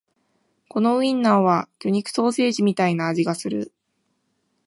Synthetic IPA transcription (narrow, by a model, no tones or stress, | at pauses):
ko̞no̞ɯ̟ĩnːaoβakʲoɲ̟ikɯ̟̥so̞ːse̞ːʑimʲit̪ainaːʑiɡasɨɾɯ̟̰